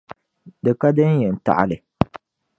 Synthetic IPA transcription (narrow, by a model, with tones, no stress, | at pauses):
dɨ˨ka˦dɨ˦n˦jɛ˨n̩˨ta̰˨ʔa̰˨lɨ˨